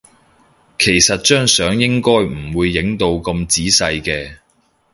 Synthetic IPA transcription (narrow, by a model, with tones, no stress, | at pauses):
kʰe˨˩jsɐ˨t̚t͡ʃœː˥ŋsœː˨˥ŋjɪ˥ŋkɔː˥jm̩˨˩wuː˨˧jːɪ˨˥ŋt̪o˧wkɐ˧mt͡siː˨˥sɐ˧jkɛː˧